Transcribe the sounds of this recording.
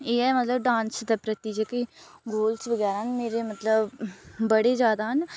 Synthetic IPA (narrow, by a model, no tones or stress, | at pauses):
eːɛmət̪ləb̚ɖãːnsd̪ɐpɾət̪iːd͡ʒəkiɡoːlsʋəɡɛːɾaɦnmeːɾemət̪ləbbəɽed͡ʒjaːd̪aɦən